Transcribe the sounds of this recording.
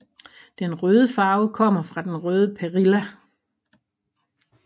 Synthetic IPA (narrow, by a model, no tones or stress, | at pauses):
d̥enʁøːð̞ˠəfɑ̈ːʊkʰɒ̽m̰ɐfʁɑ̈d̥enʁœːð̞ˠəpʰeʁilæ